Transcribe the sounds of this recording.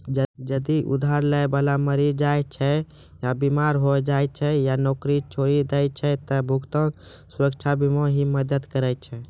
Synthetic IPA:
d͡ʒəd͡ʒəd̪iʔṵd̪ʱaɾləebalaməɾid͡ʒajt͡ʃʰɛ | jabimaɾɦod͡ʒajt͡ʃʰɛjanɔkɾit͡ʃʰoɽid̪ɛjt͡ʃʰɛt̪əbʱukt̪ə | suɾək̚t͡ʃʰabimõɦiməd̪əd̪kəɾɛt͡ʃʰɛ

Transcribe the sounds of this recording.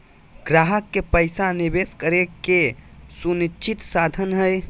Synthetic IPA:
ɡɾaɦəkːepəjsanibeskəɾeesunit͡ʃit̪sad̪ʱənɦəj

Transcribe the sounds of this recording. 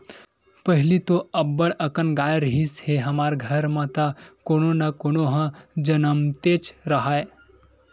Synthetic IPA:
pəɦɪlit̪oɐbːəɽɐkənɡaːjɾəɦisheɦɐmaːɾɡʱəɾmãt̪akoːnonakoːnoɦə̃d͡ʒɐnəmt̪et͡ʃɾɐɦaːe

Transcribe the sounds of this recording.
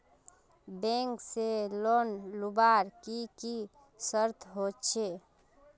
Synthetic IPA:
bẽŋkselonlubaɾkiki | səɾt̪ʰɦot͡ʃʰe

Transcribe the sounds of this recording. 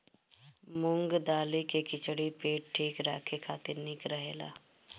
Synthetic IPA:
mʊ̃ŋɡd̪aːlikekɪt͡ʃɽipeːʈ̚ʈʰːiːkɾa̰ːkʰekʰaːt̪ɪɾnɪkɾəɦeːla̰ː

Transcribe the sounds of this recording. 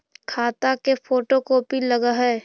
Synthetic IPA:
kʰaːt̪akepʰoːʈokoːpilɐɡaɦɛː

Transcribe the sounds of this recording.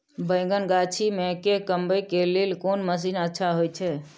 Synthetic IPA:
bəj̃ɡənɡat͡ʃʰimekekəmbəjkelelkonməs̬inətːʃʰaɦojt͡ʃʰɛ

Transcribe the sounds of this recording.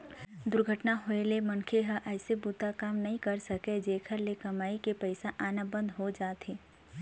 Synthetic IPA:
d̪ʊɾɡʱəʈnaɦoelemɐnkʰeɦɐ̃ʔɛːsebuːt̪akaːmnɐɦĩkɐɾsɐked͡ʒeːkʰəɾlekɐmaːikepɛɪsaʔaːnabə̃nd̪ɦod͡ʒaːt̪eː

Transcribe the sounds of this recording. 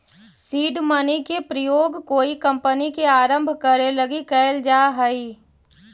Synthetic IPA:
siːɖmənikepɾəjoːɡkoːikə̃mpənikeaːɾə̃mbʱkəɾeləɡikɛld͡ʒaːɦəi

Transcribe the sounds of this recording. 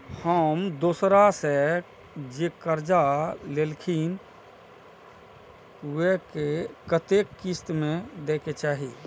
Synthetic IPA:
həmd̪oːsɾase | d͡ʒekəɾd͡ʒalelkʰin | wekekət̪ekːist̪mẽd̪eːket͡ʃaːɦi

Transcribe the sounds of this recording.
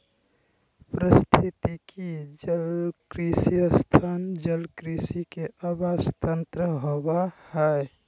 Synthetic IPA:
pɾəst̪ʰit̪ikid͡ʒəlkɾisijəst̪ʰaːnd͡ʒəlkɾisikeʔabaːst̪ə̃nt̪ɾəɦobahɛe

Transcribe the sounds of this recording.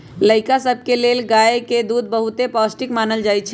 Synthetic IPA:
ləɪkasəbʱkelelɡaeked̪ud̪̚bəɦut̪epɔsʈikmanəld͡ʒajt͡ʃʰɛ

